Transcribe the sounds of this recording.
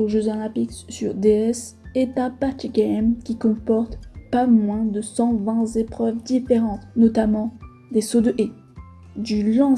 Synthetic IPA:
oʒøzalɛ̃pikssy̰ʁd̪eɛsɛt̪ɛ̃pat̪ɡʲɛmkʲikɔ̃pɔʁt̪pamwɛ̃d̪əsɑ̃vɛ̃zepχœvd̪ifeʁɑ̃t̪nɔt̪amɑ̃ | d̪esod̪əʔe | d̪ylɑ̃

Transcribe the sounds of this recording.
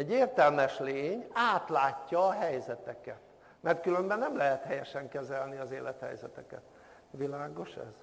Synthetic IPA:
ɛɟːeːrt̪ɛlmɛʃleːɲaːt̪laːcːɒːɦɛjzɛt̪ɛkɛt̪ | mɛrt̪kylømbɛnːɛmlɛɦɛt̪hɛjɛʃɛŋkɛzɛlniɒzeːlɛt̪hɛ̰jzɛt̪ɛkɛ̰t̪ | ʋilaːɡo̞ʃɛ̰z̥

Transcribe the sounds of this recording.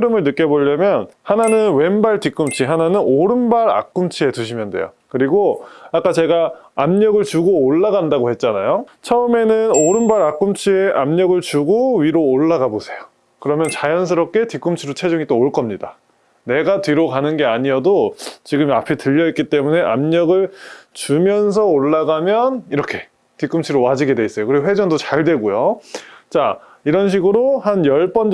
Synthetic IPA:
ɾɯmɯɭnɯk͈jʌboʎːʌmjʌnhananɯnwe̞nbaɭtik͈umt͡ɕʰiɦananɯnoɾɯnbaɾa̰k͈umt͡ɕʰie̞tuɕʰimjʌndwe̞̰jo̰ | kɯɾiɡoak͈at͡ɕe̞ɡaːmɲʌɡɯɭt͡ɕuɡoːɭːaɡandaɡohe̞t̚t͡ɕ͈anajot͡ɕʰʌɯme̞nɯnoɾɯnbaɾak͈umt͡ɕʰie̞ʔamɲʌɡɯɭt͡ɕuɡoɥiɾoːɭːaɡabosʰe̞̥jo̥ | kɯɾʌmjʌnt͡ɕajʌns̬ʰɯɾʌp̚k͈e̞tik͈umt͡ɕʰiɾot͡ɕʰe̞d͡ʑuŋit͈ooɭk͈ʌmɲida | ne̞ɡatɥiɾokanɯnɡe̞aɲiʌdot͡ɕiɡɯmapʰetɯʎːʌik͈it͈e̞mune̞ʔamɲʌɡɯɭt͡ɕumjʌns̬ʰʌoɭːaɡamjʌniɾʌkʰe̞ | tik͈umt͡ɕʰiɾowad͡ʑiɡe̞dwe̞is͈ʌjokɯɾiɡoɸwe̞d͡ʑʌndot͡ɕaɭdwe̞ɡojot͡ɕ͈a | iɾʌnɕ̬ʰiɡɯɾohanjʌɭp͈ʌnd͡ʑ

